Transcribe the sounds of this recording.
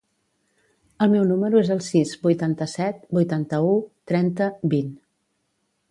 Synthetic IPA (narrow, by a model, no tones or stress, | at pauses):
əlˠmɛwnuməɾuezəlˠsizbujt̪ant̪əsɛt̪̚bujt̪ant̪əut̪ɾɛnt̪əbin